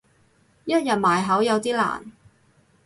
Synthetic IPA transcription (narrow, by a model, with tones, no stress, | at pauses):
jɐ˥t̚jɐ˨t̚maː˨˩jɦɐ˨˥wjɐ˨˧wt̪iː˥la̰ː˨˩n